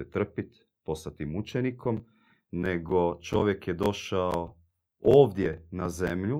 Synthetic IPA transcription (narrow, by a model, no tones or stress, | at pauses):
et̪r̩pit̪ | po̞st̪at̪imut͡ʃeniko̞m | ne̞ɡo̞t͡ʃo̞ʋje̞kjed̪o̞ʃao | oːʋd̪jenazemʎu